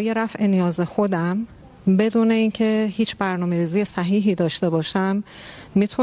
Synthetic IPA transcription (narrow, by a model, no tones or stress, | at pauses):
jeɾæfʔenijɒːzexo̞d̪æm | be̞d̪uːne̞iːncʰe̞hiːt͡ʃʰbæɾnɒːme̞ɾiːziːjesæɦiːɦiːd̪ɒːʃt̪e̞bɒːʃæmː | iːt̪ʰu